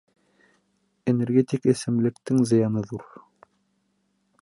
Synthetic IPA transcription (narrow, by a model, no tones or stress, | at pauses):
eneɾɡʲet̪ʲikɘ̆sɘ̆mlɘ̆kt̪ɘŋzɤ̆jɑnɤðuɾ